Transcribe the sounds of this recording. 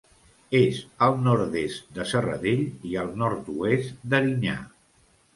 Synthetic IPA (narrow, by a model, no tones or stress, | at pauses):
ezəlˠnɔɾt̪est̪d̪əsərə̰ðeʎiəlˠnɔɾt̪uest̪d̪əɾiɲa̰